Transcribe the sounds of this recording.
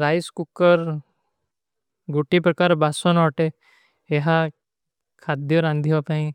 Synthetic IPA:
ɾaːiskukəɾ | ɡuʈipɾəkaːɾbasonɔːʈe | eɦa | kʰaːd̪joɾãnd̪ʱiopãĩ

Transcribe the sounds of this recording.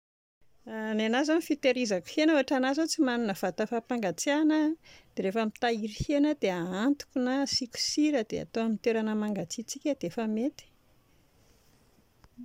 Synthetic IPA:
nanazamifit̪eɾizaku̥henoaʈ͡ʂanazot͡simanunəv̥at̪əfapaŋɡat͡sianəd̪̥eɾefamit̪aiɾihenəd̪̥eaant̪u̥kʲunasikʲu̥siɾəd̪̥ea̰t̪oamint̪eɾanəmaŋɡat͡sit͡sikʲəd̪̥eefəmet̪i̥

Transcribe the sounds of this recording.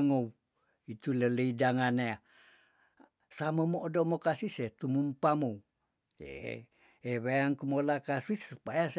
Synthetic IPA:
ŋou | it̪ulələidaŋanea | samamoːdomokasiset̪umumpamou | jḛ | eβejaŋkumolakasiupajas

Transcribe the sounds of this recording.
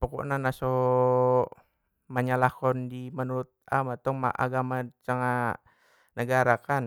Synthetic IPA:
poko̰ʔnanaso | maɲalakɔndimanuɾut̪̚amat̪ɔŋma̰ʔa̰ɡamat͡ʃaŋa | nəɡaɾakan

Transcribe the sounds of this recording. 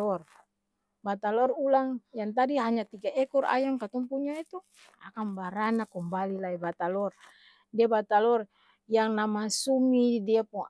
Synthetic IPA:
ɔr | bat̪alɔrulaŋjaŋt̪adiɦaɲat̪iɡaʔɛkura̰jamkat̪ɔmpuɲait̪u | a̰kambaɾanakɔmbalilaibat̪alɔr | diabat̪alɔr | jaŋnamasumidiapuŋ

